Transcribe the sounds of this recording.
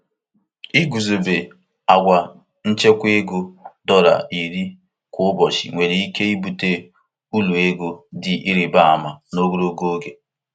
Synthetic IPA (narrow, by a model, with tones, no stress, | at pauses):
i˦ɡu˨zo˨be˨ | a˨ɡʷa˨ | n̩˦t͡ʃe˦kʷe˦ɡo˦dɔ˦ɾa̰˨i˨ɾi˦ | kʷʊ˦ʊ˦bɔ˨ʃḭ˨ŋʷe˨ɾi˨i˦ke˦i˦bu˨te˦ | u˦lu˨e˦ɡo˦dɪ˨ʔi˦ɾi˨ba˦˨a̰˨ma˨no˦ɡo˦ɾo˦ɡo˦ɡe˨